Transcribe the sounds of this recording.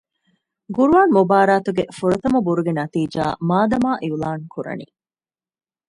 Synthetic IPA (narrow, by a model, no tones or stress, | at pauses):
ɡuɾuʋaːnmobaːɾaːt̪uɡefuɾɐt̪ɐmɐbuɾuɡenɐt̪iːd͡ʒa̰ːmaːd̪ɐmaːʔiulaːŋkuɾɐ̰nḭː